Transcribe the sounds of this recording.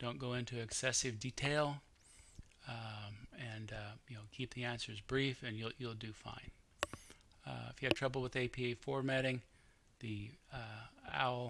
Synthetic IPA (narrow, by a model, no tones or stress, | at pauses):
d̥õʊ̃nɡ̥oʊɪ̃ntʰʉɨksɛsɨvditʰeɪlˠ | ɨ̃njɨnoʊkʰip̚ðiæ̃nsə˞zbɹifɨ̃njulˠjulˠdɨfã̰ɪ̃n | ɪ̰fjɨɨd̚tʰɹ̥ʌbl̩ˠwəðeɪpʰieɪfɔɹmæɾɪ̃ŋ | ði | æ̰ʊlˠ